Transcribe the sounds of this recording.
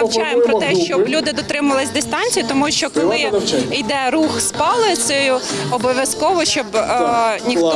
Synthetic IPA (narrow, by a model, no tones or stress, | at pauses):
t͡ʃɑjempɾɔt̪ɛʃt͡ʃɔblʲud̪ɪd̪ɔt̪ɾɪmɐʋɐlˠɪsʲd̪ɪst̪ɑnʲt͡sʲijʊt̪ɔmuʃt͡ʃɔkɔlˠɪid̪ɛɾuxspɑlˠɪsʲjʊɔbɔʋʲjɐskɔʋɔʃt͡ʃɔb | nʲix